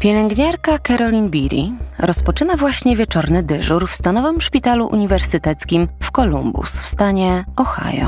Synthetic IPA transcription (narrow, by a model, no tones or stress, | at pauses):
pʲjɛlɛŋɡɲaɾkakaɾɔlʲinbʲiɾʲḭɾɔspɔt͡ʂɘnavwaɕɲɛvʲjɛt͡ʂɔɾnɘd̪ɘʐuɾfst̪anɔvɘmʂpʲit̪aluʔṵɲivɛɾsɘt̪ɛt̪skʲimfkɔlumbṵsfst̪aɲɛɔxa̰jɔ̰